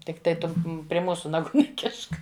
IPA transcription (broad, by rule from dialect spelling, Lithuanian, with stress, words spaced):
tʲɪkˈtɐɪ ˈtʊ pʲrʲɪ ˈmuːsʊ nɐˈɡuː nʲɛˈkʲɪʃk